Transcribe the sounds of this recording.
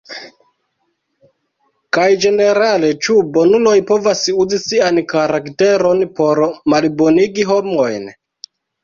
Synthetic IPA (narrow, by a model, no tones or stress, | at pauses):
kajd͡ʒe̞ne̞ɾale̞t͡ʃubo̞nulo̞jpo̞vasuzisiankaɾakte̞ɾo̞npo̞ɾmalbo̞niɡiɦo̞mo̞jn